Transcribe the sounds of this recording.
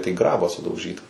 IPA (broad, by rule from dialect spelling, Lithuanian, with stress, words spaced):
tɐɪ ˈɡrɑːbɑː sʊdɐʊˈʒʲiːtɐ